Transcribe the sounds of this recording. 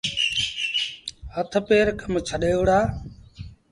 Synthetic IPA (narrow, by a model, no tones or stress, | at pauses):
hət̪ʰpeːɾkəmt͡ʃʰəɗeːoʋɽaː